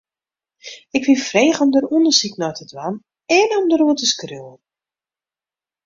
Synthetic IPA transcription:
ɪkʋifreːχəɔmdərundəsiknɔjtədwan | ɛnəɔmdəɾuətəskrøən

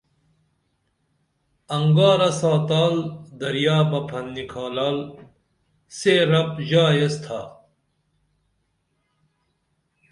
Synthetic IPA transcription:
ɐŋɡaːɾɐsaːt̪aːld̪ɐɾjaːbɐpʰɐnːikʰaːlaːl | seɾɐpʑaːjest̪ʰa̰ː

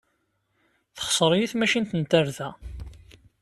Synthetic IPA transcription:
θə̥χsˤəɾˤjiθmæʃint̪ənt̪æɾðæ

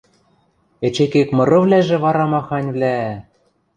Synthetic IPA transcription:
et͡ɕekekmɤ̆ɾɤ̆βlæʒĕβɑɾɑmɑxɑnʲvlʲæ

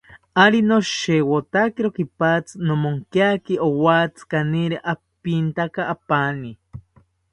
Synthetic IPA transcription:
aɾinoʃewot̪akiɾokipat͡snomoŋkiakiowat͡skaniɾiʔapint̪akaʔːpani

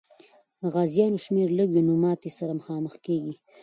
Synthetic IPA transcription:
d̪əɣɑzjɑnoʃmeɾləɡonʊmɑt̪esaɾaməxɑməxkeɡi

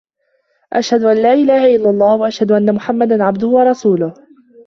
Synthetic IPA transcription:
ʔaʃhad̪ʊʔanlaːʔɪlaːhaʔɪlːalˤːɑːhwaʔaʃhad̪ʊʔanːamʊħamːad̪anʕab̚d̪ʊhʊwɑɾˤɑsuːlʊh

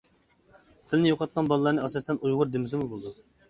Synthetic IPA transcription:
t̪ʰɪlɪnɪjoqʰɑt̪̚qʰɑnbɑlˠɨlˠɑɾnɨɑsɑsɛnujʁʊɾd̪emɪsɪmuzbolˠɨd̪u

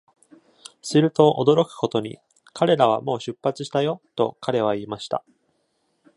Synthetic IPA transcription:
sɨɾɯ̟t̪o̞ʔod̪o̞ɾo̞kɯ̟̥ko̞t̪o̞ɲ̟ḭ | kaɾe̞ɾaβ̞a̰mo̞ːɕɨpːat͡sɨ̥ɕi̥t̪ajo̞t̪o̞̰kʰaɾe̞β̞aiːmaɕi̥t̪a̰

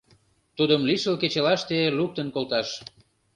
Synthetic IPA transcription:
t̪ud̪əmliʃəlket͡ɕelɑʃt̪eluk̚t̪ənkolt̪ɑʃ

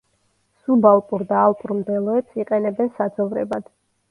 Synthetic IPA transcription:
subalˠpʼuɾd̪aːlˠpʼuɾmd̪ɛlˠɔɛpsiqʼɛnɛbɛnsad̪zɔvɾɛ̰bad̪̥

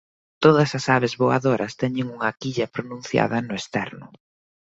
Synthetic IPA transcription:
t̪oðɐsɐsaβezβoaðoɾɐst̪ɛɲɪŋuŋɐkiʎɐpɾonũnθja̰ðɐnʊest̪ɛɾnʊ

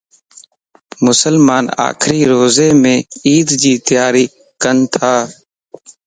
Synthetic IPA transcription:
mʊsəlmaːna̰ːkʰɾiːɾoːzeːmẽːiːd̪d͡ʒiːt̪ɪjaːɾiː | kənt̪ʰaː

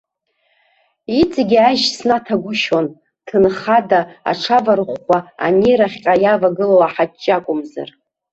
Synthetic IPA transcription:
it͡sʼɡʲiaʒsnatʰaɡʷʊʃon | tʰɨnχadaa̰ʈ͡ʂʰavarχːʷaa̰niɾaχʲqʲʼajavaɡɨlowaħat͡ʃʼːakʷʼʊmza̰r

